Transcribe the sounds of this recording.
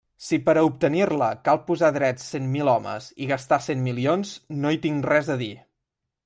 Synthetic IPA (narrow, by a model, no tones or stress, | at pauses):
sipəɾəup̚t̪ənirləkalˠpuzaðɾɛtsːenmilɔmə̰ziɣəst̪asenmilionznoit̪iŋrɛzəði